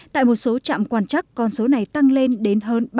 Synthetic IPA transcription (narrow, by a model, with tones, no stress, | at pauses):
t̪a̰ː˧˨jmo˨˩t̚so˨˦t͡ɕa̰ː˧˨mkwaː˧˩nt͡ɕa˦˥kkɔ˧nso˨˦na˨˩jt̪a˧ŋle˧nɗe˨˦nɦəː˧nɓ